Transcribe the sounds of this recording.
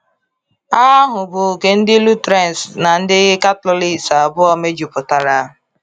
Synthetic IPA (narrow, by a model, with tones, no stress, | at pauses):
a˦ɦʊ˨bʊ˨ke˨n̩˦dɪ˦lu˦tɾe˦˨n˨sna˨n̩˦dɪ˦ɣɪ˦ka˦tlʊ˦li˦˨sa˨bʊ˦ɔ˦me˦d͡ʒu˨pʊ˨ta˨ɾa˦ɦʊ˨